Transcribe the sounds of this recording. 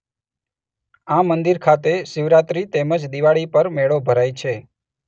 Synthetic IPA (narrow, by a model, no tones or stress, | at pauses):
amənd̪iɾkʰat̪eʃɪʋɾat̪ɾit̪eməd͡ʒd̪iʋaɭipəɾmeɭobʱəɾajt͡ʃʰe